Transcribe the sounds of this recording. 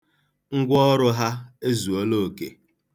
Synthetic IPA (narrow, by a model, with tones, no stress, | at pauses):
ŋ̩˦ɡʷɔ˦ɾʊ˦ɦa˦e˦zu˨o˦lo˦˨kḛ˨